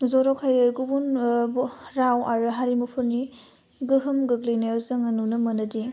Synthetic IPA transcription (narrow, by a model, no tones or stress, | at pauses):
zɔɾɔkʰajɯɡubun | ɾawaɾɯɦaɾimupʰɯɾni | ɡɯɦɯmɡɯɡlijnajɔzaŋɐnunɐmɐnɐdi